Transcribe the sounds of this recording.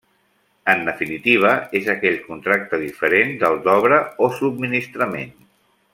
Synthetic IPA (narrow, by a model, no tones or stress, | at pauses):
ənd̪əfinit̪iβ̞əezəkɛʎkunt̪ɾak̚t̪əðifəɾend̪əlˠd̪ɔβɾəosub̚minist̪ɾəmḛn